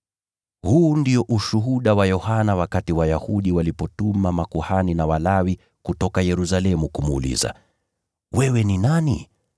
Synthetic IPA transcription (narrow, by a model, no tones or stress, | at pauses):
huːndiɔʔuʃuɦuɗawajɔhanawakatiwajahuɗiwalipɔtumamakuhaninawalawi | kutɔkajɛɾus̬alɛmukumːlḭza̰ | wɛwɛninani